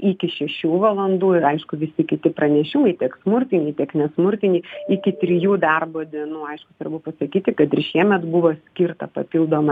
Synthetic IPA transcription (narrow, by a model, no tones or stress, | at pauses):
ɪkʲɪʃʲɛʃʲuːʋɐlˠɐnd̪uːɐɪʃkʊʋʲɪsʲɪkʲɪt̪ʲɪpɾɐnʲɛʃʲɪmɐɪt̪ʲiɛksmʊɾʲt̪ʲɪnʲiːtʲiɛknʲɛsmʊrʲt̪ʲɪnʲiːɪkʲɪt̪ʲɾʲɪjuːd̪ɐrboːd̪ʲiɛnuːɐɪʃkʊsʋɐrbʊpɐsɐkʲiːt̪ʲɪkɐt̪ɪɾrʃʲiɛmʲɛt̪bʊʋoːsʲkʲɪɾt̪ɐpɐpʲilˠd̪oːmɐ